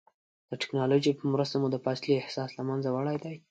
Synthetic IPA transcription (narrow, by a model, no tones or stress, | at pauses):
d̪̥əʈɪ̥knɑloʒipəmɾəst̪amud̪əpasliɪhsɑslamanzawaɽajd̪aj